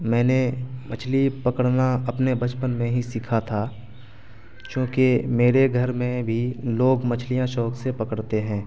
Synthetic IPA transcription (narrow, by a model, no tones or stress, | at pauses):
mɛ̃ːnemɐt͡ʃʰlipɐkəɽnaɐpnebɐt͡ʃpənmẽɦisikʰat̪ʰa | t͡ʃõːkemeːɾeɡʱəɾmẽbʱiloːɡmɐt͡ʃʰlijãʃɔːksepɐkəɽt̪eɦɛ̃ː